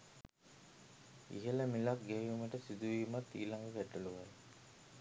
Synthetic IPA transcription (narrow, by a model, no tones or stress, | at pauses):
ḭɦələmilak̚ɡeʋiːməʈəsid̪uʋiːmat̪ːḭːlaŋɡəʋæʈːəluʋaj